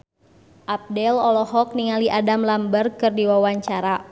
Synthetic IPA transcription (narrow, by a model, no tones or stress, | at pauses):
ʔap̚dɛlɔlɔɦɔk̚niŋaliʔadamlambərkɨrdiwawaɲt͡ʃaɾa